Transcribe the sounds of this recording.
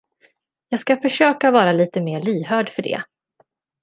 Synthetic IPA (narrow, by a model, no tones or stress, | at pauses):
jɑːɡskafœʂøːkavɑːɾaliːt̪əmeːɭyːɦœːɖfœɖɛ̰